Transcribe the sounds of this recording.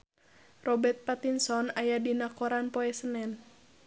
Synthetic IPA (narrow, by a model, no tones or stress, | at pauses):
rɔbɛrt̪̚pat̪insɔnajadinakɔɾanpɔɛsənɛn